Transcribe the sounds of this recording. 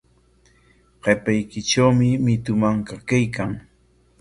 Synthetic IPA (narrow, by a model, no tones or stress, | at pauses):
ɢepajkɪʈ͡ʂawmɪmɪt̪ʊmaŋkakajkaŋ